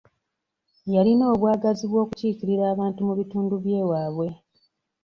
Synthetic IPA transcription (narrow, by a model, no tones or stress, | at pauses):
jalino̞ːβwaːɡaziβwo̞ːkuciːciɾiɾaːβaːntumuβituːnduβje̞ːwaːβwe̞